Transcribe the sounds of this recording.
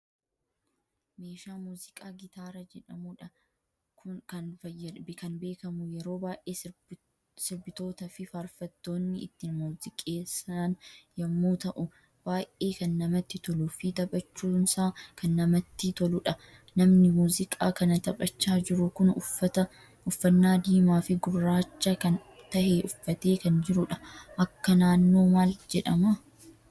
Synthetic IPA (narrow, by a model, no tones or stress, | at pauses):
me̞ːʃaːmuːzɪkʼaːɡɪt̪aːɾɐd͡ʒɛᶑɐmʊᶑɐ | kʊkɐnfɐɐbɪkɐnbe̞ːkɐmʊjɛɾo̞ːbaːʔe̞ː | sɪɾbɪt̪o̞ːt̪ɐfɪfaːɾfɐt̪ːo̞ːnːɪɪ̰t̪ːɪnmuːzɪkʼeːsɐnjɐmːuːt̪ɐʔʊ | b̥aːjʔe̞ːkɐnːɐmɐt̪ːɪt̪ɔlʊfɪt̪ɐbʼɐt͡ʃːuːnsaːkɐnːɐmɐt̪ːɪt̪ɔlʊᶑɐ | nɐmnɪmuːzɪkʼaːkɐnɐt̪ɐpʼɐt͡ʃːaːd͡ʒɪɾʊkʊnɐt̪ɐ | ʊfːɐnːaːd̪iːmaːfɪɡʊrːaːt͡ʃːɐkɐn | t̪ɐheʔʊfːɐt̪e̞ːkɐnd͡ʒɪɾʊᶑɐ̥ʔɐkːɐnaːnːo̞ːmaːld͡ʒɛᶑɐmɐ